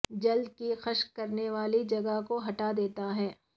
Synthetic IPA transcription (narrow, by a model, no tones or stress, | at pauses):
d͡ʒɐld̪kixɐʃkɐɾneʋaːlid͡ʒɐɡəkoɦɐʈad̪eːt̪aɦɛː